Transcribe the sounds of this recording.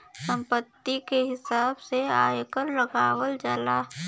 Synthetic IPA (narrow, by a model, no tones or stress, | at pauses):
sə̃mpət̪ːikeɦɪsaːbseaːjkəɾlɐɡaːwəld͡ʒaːlaː